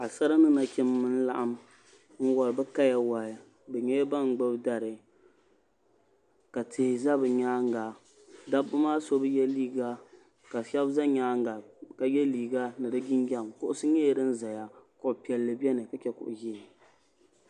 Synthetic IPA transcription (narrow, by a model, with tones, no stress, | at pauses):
a˨sa˦ɾa˦nɨ˦na˨kʲɪ˦mː˦ɨ˦n˦la̰˦˨ʔa˦m | n̩˦wɔ˨lbɛ˦ka˦ja˦wa˨ | bɛ˨ɲɛ˦jba˦ŋ˨ɡ͡bɨ˦bda˨ɾɨ˨ | ka˨tʰɪ˨hɪ˨za˦bɨ˨ɲaː˦ŋ˦ɡa˨ | da˦bɨ˦maː˦so˦bɨ˦jɛ˦liː˦ɡa˦ | ka˨ʃɛ˦bza˦ɲaː˦ŋɡa˨ka˨jɛ˦liː˨ɡa˦nɨ˨dɨ˦ɡɪ˦nɡɛ˦˨mkʊ˦ʔʊ˦sɨ˦ɲɛ˦˨ɾɨ˦n̩˦za˨ja˦kʊ˨ʔʊ˨pi˨ɛ˨lːɨ˨bɛ˦nɨ˨ka˨t͡ʃɛ˦kʊ̰˨ʔʊ˨ji˦˨